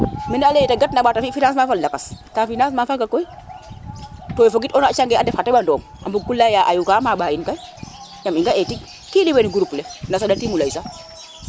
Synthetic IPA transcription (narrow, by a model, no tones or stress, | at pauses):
mɛnaːlejitaɡat̚naɓatafifinans̬mafallakastafinas̬maːfalɡakːoi | toːjefoɡitɔnat͡ʃaŋɡɛadɛfxateɓandoːŋ | a̰bukulːajaʔajukamaɓaːinkaj | jamiŋɡaʔetik̚ | kiliweniɡuɾupːulenasadatimulaisa